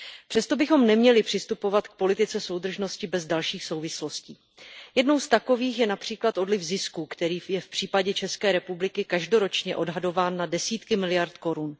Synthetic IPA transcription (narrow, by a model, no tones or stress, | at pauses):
pr̥ɛst̪o̞bɪxo̞mnɛmɲɛlɪpr̥ɪst̪upo̞vat̪k̚po̞lɪt̪ɪt͡sɛso̞wd̪r̩ʒno̞scɪbɛzdalʃiːxso̞wvɪslo̞scḭː | jɛdno̞wst̪ako̞viːxjɛnapr̝̥iːklat̪o̞dlɪvzɪskukt̪ɛɾiːjɛfpr̥iːpaɟɛt͡ʃɛskɛːɾɛpublɪkɪkaʒdo̞ɾo̞t͡ʃɲɛʔo̞dɦado̞vaːnːadɛsiːt̪kɪmɪlɪjaɾt̪ko̞ɾun